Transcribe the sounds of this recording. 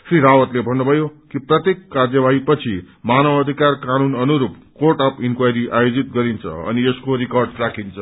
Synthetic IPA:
sriɾawʌt̪lebʱʌnːubʱʌjokiprʌt̪jekːard͡zjʌbaɦipʌt͡sʰi | manʌbʌd̪ʱikarkanunʌnuɾupkorʈʌpinkwajɾiʔajod͡zit̪̚ɡʌɾint͡sʰʌ̰ʌ̰nieskoɾikʌrɖʈrakʰint͡sʰʌ

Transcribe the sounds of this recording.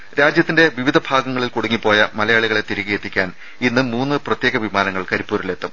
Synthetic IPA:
ɾaːd͡ʑjɐt̪ːinde̞ʋiʋid̪ʱɐbʱaːɡɐŋːɐɭilkuɽuŋːipːo̞ːjɐmɐlɐjaːɭiɣɐɭe̞t̪iɾiɣijet̪ːikʲːaːn | inːɨmuːnːɨprɐt̪jeːɣɐʋimaːnɐŋːɐɭkɐɾipːuːɾile̞t̪ːɐm

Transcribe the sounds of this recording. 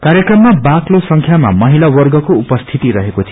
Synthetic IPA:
kaɾjekrʌmːabaklosʌŋkʰjama̰mʌɦilawʌrɡʌkoupʌst̪ʰit̪iɾʌɦekot͡sʰi

